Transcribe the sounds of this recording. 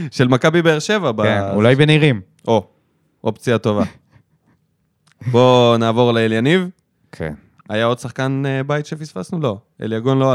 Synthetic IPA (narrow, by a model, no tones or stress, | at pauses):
ʃe̞lmakabibeeʁʃe̞vabaenṵlajbeniʁim | ʔo̞ | ʔopt͡siat̪o̞va | bo̞naːvo̞ʁlaeljaniv | kʰḛn | ajao̞dsaχkanbajt̪ʃefisfa̰snulo̞ḛljaɡo̞nlo